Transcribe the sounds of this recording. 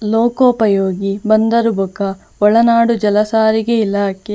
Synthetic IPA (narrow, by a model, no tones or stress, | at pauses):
loːkoːpɐjoːɡibɐnd̪ɐɾubɐkɐ | ɔɭɐnaːɽud͡ʒɐlɐsaːɾiɡeilaːke